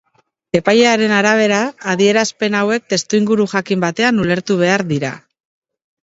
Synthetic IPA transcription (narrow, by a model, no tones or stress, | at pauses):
e̞pajeaɾe̞naɾaβ̞e̞ɾaːðie̞ɾaspe̞nawe̞k̚t̪e̞st̪uiŋɡuɾuxakimbat̪e̞anule̞ɾt̪uβ̞e̞aɾðiɾa̰